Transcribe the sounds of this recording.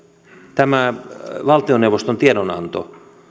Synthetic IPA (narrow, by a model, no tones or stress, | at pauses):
t̪æmæʋɑlt̪ioneuʋost̪ont̪iedonɑ̰nt̪o̰